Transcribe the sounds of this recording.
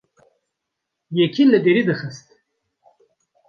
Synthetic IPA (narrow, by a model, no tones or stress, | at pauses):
jɛkʰiləd̪eɾid̪ɨxəst̪